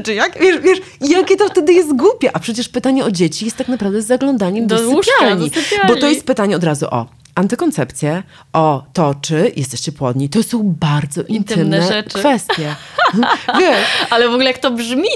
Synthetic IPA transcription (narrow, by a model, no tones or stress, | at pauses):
t͡ʂɨjakvʲjɛʂvʲjɛʂ | ijakʲɛt̪ɔft̪ɛd̪ɘjɛst̪ɡwupʲjɛʔapʂɛt͡ɕɛʂpɘt̪aɲɛɔd͡ʑet͡ɕijɛst̪ːaknapɾavd̪ɛzːaɡlɔ̃nd̪aɲɛmd̪ssjalɲipʲjablbɔɔjɛst̪̚pɘt̪aɲɛɔd̪ɾazṵʔɔ̰ | ant̪ɨkɔnt̪sɛpt̪sʲjɛ | ʔɔt̪ɔt͡ʂɘjʔɛ̰st̪ɛɕt͡ɕɛpwɔd̪ɲit̪ɔsɔ̃w̃baɾd̪zɔʔint̪ɪmnnɛkfɛst̪jɛ | vʲjɛʂalɛvɔɡulɛjak̚t̪ɔbʐmʲi